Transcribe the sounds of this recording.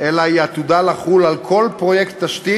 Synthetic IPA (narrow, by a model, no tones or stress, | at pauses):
ʔelaiat̪ud̪alaχulalkʰo̞lpʁo̞jekt̪ːaʃt̪i